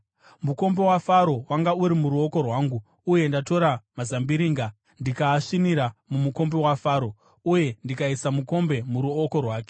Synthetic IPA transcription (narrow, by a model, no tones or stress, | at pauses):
muko̞mbe̞wafaɾo̞waŋɡauɾimuɾuo̞ko̞rwaːŋɡu | uje̞ndato̞ɾamazambiɾiːŋɡa | ndikaːʂiniɾamumuko̞mbe̞wafaːɾo̞ | uje̞ndikaisamuko̞mbe̞muɾuoko̞rwaːke̞̥